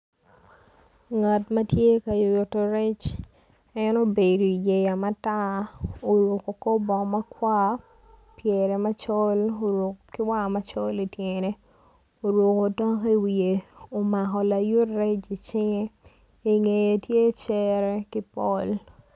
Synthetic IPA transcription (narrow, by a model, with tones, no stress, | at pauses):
ŋa˨tmɐ˦tje˦ka˨jo˨jo˨to˨ɾɛ˦t͡ʃ | ɛ˦no˦be˨ɾo˨i˨je˨ja˨ma˦ta˦o˨ɾo˨ko˨ko˦bɔ˨ma˦kwa˦ | pjɛ˨ɾɛ˨ma˦t͡ʃɔ˦lo˨ɾwo˨kkɪ˦wa˦ma˦t͡ʃɔ˦li˨tje˨ne˦ | o˨ɾwo˨ko˨ta˦ki˦wi˨e˨o˨ma˨kɔ˨la˨ju˦tɾɛ˦t͡ʃi˨t͡ʃɪ˦ŋe˦ | i˨ŋe˨je˨tje˦t͡ʃɛ˦ɾɛ˦kɪ˦pɔ˦l